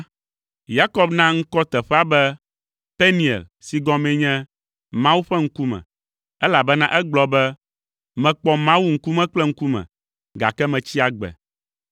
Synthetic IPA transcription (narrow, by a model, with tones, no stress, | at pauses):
ja˦kɔ˦bnã˦ŋ̩˦kɔ˦t̪ɛ˨ɸɛ˦a˦bɛ˦ | pɛ˦nĩ˨ɛ̰˨lsi˨ɡɔ̃˨˦mɛ̃˦ɲɛ̃˦ | mã˦wu˦ɸɛ˦ŋ̩˦ku˦mɛ̰̃˨ | ɛ˦la˨bɛ˦nã˦ʔɛ˦ɡ͡blɔ˨bɛ˦ | mɛ̃˨k͡pɔ˨mã˦wu˦ŋ̩˦ku˦mɛ̃˦k͡plɛ˦ŋ̩˦ku˦mɛ̰̃˨ | ɡa̰˨kɛ˦mɛ̃˨t͡ɕi˦a˨ɡ͡bɛ̰˨